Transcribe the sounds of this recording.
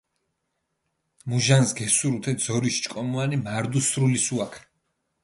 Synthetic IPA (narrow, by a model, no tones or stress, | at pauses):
muʒansɡɛsuɾut̪ʰɛd̪zɔɾiʃt͡ʃʼkʼɔmuanimaɾd̪usɾulisuakʰ